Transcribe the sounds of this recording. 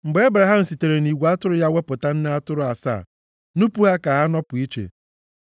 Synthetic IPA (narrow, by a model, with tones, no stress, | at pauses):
ŋ͡m̩˨ɡ͡be˦e˦bɾa˨ɦa˦m̩˨si˨te˨ɾe˨ni˨ɡʷa˦tʊ˦ɾʊ˦ja˦we˦pʊ˨ta˦n̩˦na˦a˦tʊ˦ɾʊ˦a˨sa̰˦˨ | nu˦pu˦ɦa˦ka˨ɦa˦nɔ˦pʊ˨i˦t͡ʃḛ˨